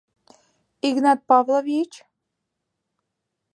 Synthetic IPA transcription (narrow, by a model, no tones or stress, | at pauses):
iɡnɑt̪̚pɑvlˠovit͡ɕ